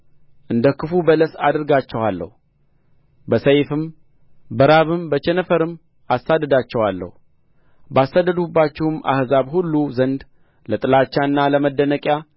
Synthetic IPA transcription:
ʔɨnd̪əkɨfubələsa̰d̪ɨɾɡat͡ʃːɛwalːə̰hu | bəsəjfɨm | bəɾaβɨmbət͡ʃɛnəfəɾɨm | asːad̪ːəd̪at͡ʃːɛwalːə̰hu | basːad̪ːəd̪ubːat͡ʃːɪhɨma̰hzaβhulːuzənd̪ | lət̪ʼɨlat͡ʃːaɨnːaləməd̪ːənəkʼja

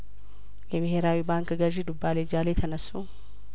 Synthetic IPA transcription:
jɛbɛɦeɾaːwiːbaːŋkɡɐʒid̪ʊbːaːleːd͡ʒaːleːt̪ʰɐnɐsːu

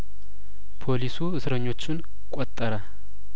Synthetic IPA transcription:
pʰo̞lisuɨsɾəɲːo̞t͡ʃːɪn | kʼɔt̪ʼːəɾə

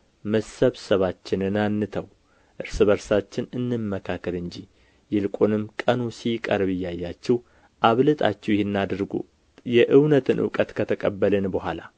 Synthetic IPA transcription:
məsəβsəβat͡ʃːɪnɨnanːɨt̪ʰəw | ʔɨɾsɨβəɾsat͡ʃːɪnɨnːɨmːəkʰakːəlɨɲd͡ʒi | jɪlkʼonɨmkʼənusikʼəɾβɨjːajːat͡ʃːɛw | ʔaβlɨt̪ʼa̰t͡ʃːɛwjɪhɪnːad̪ɨɾɡṵ | jɛʔɨwnət̪ʰɨnʔɨ̰wkʼət̪kʰət̪ʰəkʼəbːəlɨnbəhʷala

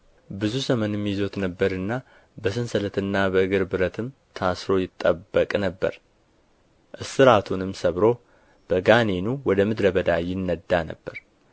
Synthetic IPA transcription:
bɨzuzəmənɨmːjɪzo̞t̪nəbːəɾɨnːa | bəsɨnsələt̪ɨnːabəɨɡɨɾbɨɾət̪ʰɨm | t̪ʰasɾo̞jɪt̪ʼːəbːəkʼnəbːə̰ɾ | ʔɨsɨɾat̪ʰunɨmsəβɾo̞ | b̥əɡanenuwɔd̪əmɨd̪ɾəbəd̪ajɪnːəd̪ːanə̰bːəɾ

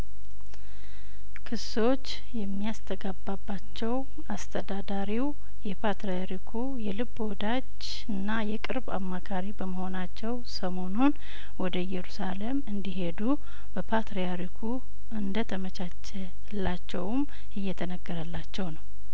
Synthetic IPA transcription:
kʰɨs | o̞t͡ʃː | jɛmːiast̪ʰəɡabːabːat͡ʃːɛw | ast̪ʰəd̪ad̪aɾiw | jɛpʰat̪ɾejaɾikʰu | jɛlɨbod̪ad͡ʒ | ɨnːajɛkʼɨɾba̰mːakʰaɾibəməho̞nat͡ʃːɛwsəmo̞nun | wɔd̪əjɛɾusalemɨnd̪iɦe̞d̪u | b̥əpʰat̪ɾejaɾikʰu | ɨnd̪ət̪ʰəmət͡ʃat͡ʃːɛ | lːat͡ʃːɛwm | ʔɨjːɛt̪ʰənəɡːəɾəlːat͡ʃːɛwnəw

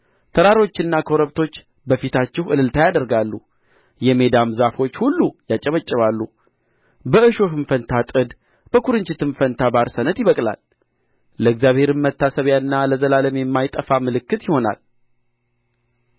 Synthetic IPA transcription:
t̪ʰəɾaɾo̞t͡ʃːɪnːakʰo̞ɾəβt̪ʰo̞t͡ʃː | bəfit̪ʰat͡ʃːɪhɨlɨlt̪ʰajad̪əɾɡalːu | jɛme̞d̪amzafo̞t͡ʃːhulːujat͡ʃʼːɛβət͡ʃʼːɪβalːu | bəɨʃo̞hɨnfənt̪ʰat̪ʼɨd̪ | b̥əkʰuɾɨɲt͡ʃɪt̪ʰɨnfənt̪ʰabaɾsənət̪jɪβəkʼla̰l | ləɨɡzjaβhe̞ɾɨmːət̪ːasəβjaɨnːaləzəlaləmeɛmːajt̪ʼəfamɨlɨkːɨt̪jɪho̞na̰l

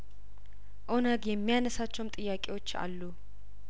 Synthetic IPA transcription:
ʔonaɡjɛmːijanəsat͡ʃːɛwmt̪ʼɨjːakʼewo̞t͡ʃːa̰lːu

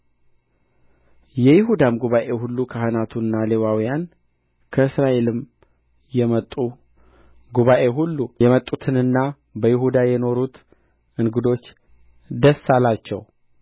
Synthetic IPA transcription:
jɛjɪɦud̪amɡuβaʔe̞hulːukʰahənat̪ʰunːalewawijan | kʰəɨsɾaʔe̞lɨm | jɛmət̪ʼːu | ɡuβaʔe̞ɦulːujɛmət̪ʼːut̪ʰɨnɨnːa | bəjɪɦud̪ajɛno̞ɾut̪ | ʔɨŋɡɨd̪o̞t͡ʃː | d̪əsalat͡ʃːɛ̰w

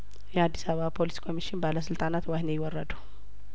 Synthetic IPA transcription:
jɛad̪ːisaapʰo̞liskʰo̞miʃɪnbaləsɨlt̪ʼanat̪wahnejɪwɔrːəd̪uw

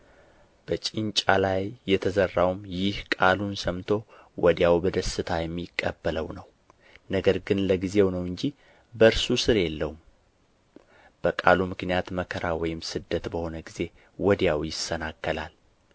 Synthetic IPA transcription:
b̥ət͡ʃʼɪnt͡ʃʼalajːɛt̪ʰəzərːawmjɪhkʼalunsəmt̪ʰo̞ | wɔd̪jawbəd̪əsɨt̪ʰajɛmːikʼːəbːələwnəw | nəɡəɾɡɨnləɡize̞wnəwɨɲd͡ʒi | bəɾsusɨɾjɛlːəwum | b̥əkʼalumɨknijat̪məkʰəɾawɔjɪmsɨd̪ːət̪bəho̞nəɡize̞ | wɔd̪jawjɪsːənakːəla̰l

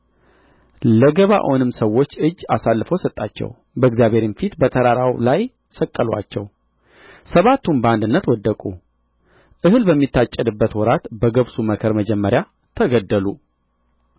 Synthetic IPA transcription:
ləɡəβa̰ʔonɨmsəwːo̞t͡ʃːɨd͡ʒːasalːɨfəwsət̪ʼːat͡ʃːɛ̰w | bəɨɡzjaβhe̞ɾɪnfit̪bət̪ʰəɾaɾawlaj | səkʼːəlwa̰t͡ʃːɛ̰w | səβat̪ʰːumbəand̪ɨnːət̪wɔd̪ːəkʼṵ | ʔɨhɨlbəmːit̪ːat͡ʃʼːəd̪ɨbːət̪wɔɾat̪bəɡəβsuməkʰəɾməd͡ʒɛmːəɾja | t̪ʰəɡəd̪ːəlu

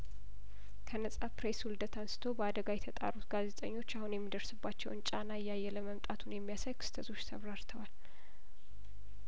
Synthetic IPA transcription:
kʰənəsʼapɾeswuld̪ət̪ʰansɨ̥t̪ʰo̞bəad̪əɡajɛt̪ʰət̪ʼa̰ɾut̪ɡaze̞t̪ʼə̰ɲːo̞t͡ʃːahunjɛmːid̪əɾsɨbːat͡ʃːɛwnt͡ʃʼanaɨjajːɛləməmt̪ʼat̪ʰunjɛmːijasəjkʰɨsɨ̥t̪ʰəzo̞t͡ʃːsʰə̰βɾaɾt̪ʰəwal

